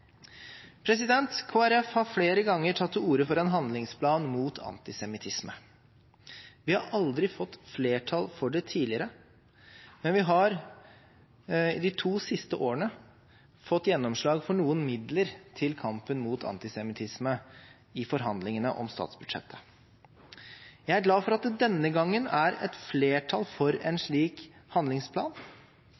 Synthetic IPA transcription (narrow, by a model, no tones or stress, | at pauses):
pʰɾɛs̬ɪd̪ɛnt̪kʰoːæɾɛfhɑɾfleːɾəɡɑŋːəʈʰɑt̪ːuːɾəfɔɾɛnɦɑnd̪lɪŋspʰlɑːnmuːt̪ʰɑ̰nt̪ɪsɛmɪt̪ʰɪsmə | ʋɪhɑɾʔɑld̪ɾɪfɔt̪ːfleːʈʰɑlfɔɖɛt̪ʰiːlɪəɾə | mɛnʋɪɦɑɾ | ɪd̪ɪt̪ʰuːsɪst̪əʔoːəɳə | fɔt̪ːjɛnːɔmʂɭɑːɡfɔɳuːənmɪd̪ləɾt̪ʰɪlkʰɑmpənmuːt̪ʰɑ̰nt̪ɪsɛmɪt̪ʰɪsmə | ɪfɔɾɦɑnd̪lɪŋənə̰ʔɔ̰mst̪ɑ̰ːt̪sbʉd̪ʂɛ̰t̪ʰːə̥ | jæɪæɾɡlɑːfɔɾɑt̪̚d̪ɛd̪ɛnːəɡɑŋːənæɾɛ̰t̪fleːʈʰɑlfɔɾɛnʂɭiːkhɑnd̪lɪŋspʰlɑ̰ːn